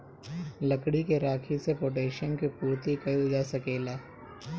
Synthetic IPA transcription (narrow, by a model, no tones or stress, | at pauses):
lɐkɽikeɾaːkʰisepoːʈeːʃənkipuːɾt̪ikɐid͡ʒaːsɐkeːlaː